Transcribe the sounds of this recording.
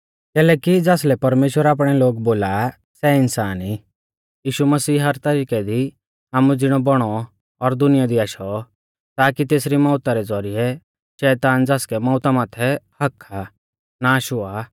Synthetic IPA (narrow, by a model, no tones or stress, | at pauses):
kɛːlɛːkid͡zaːslɛpɐɾmeːʃwəɾaːp̬ɽ̃ɛloːɡboːla | sɛɪnsaːni | jiːʃumɐsiːɦɐɾt̪ɐɾiːkɛd̪i | aːmud͡zɪɽ̃ɔbɔɽ̃ɔː | ɾd̪ʊnɪjad̪iaːʃɔ | t̪aːkit̪eːsɾimɔːʊt̪aɾɛd͡zɔɾiɛ | ʃɛːt̪aːnd͡zaːskɛmɔːʊt̪amaːt̪ʰɛhɐkʰːa | naʃʊa